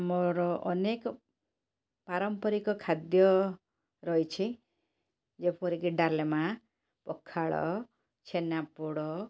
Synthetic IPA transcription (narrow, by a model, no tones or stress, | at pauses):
mɔɾɔʔɔnekɔ | paɾɔmpɔɾikɔkʰad̪jɔ | ɾɔjt͡ʃʰi | d͡ʒepɔɾikiɖalema | pɔkʰːaɭɔ̰ | t͡ʃʰenapuɽɔ